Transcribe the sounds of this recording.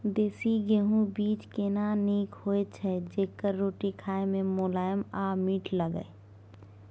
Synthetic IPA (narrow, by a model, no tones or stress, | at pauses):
d̪eːsiɡeɦũbiːt͡ʃkenaniːkhoːet͡ʃʰɛd͡ʒeːkəɾːoːʈikʰaːemẽmolaːjəmaːmiːʈʰləɡə̰e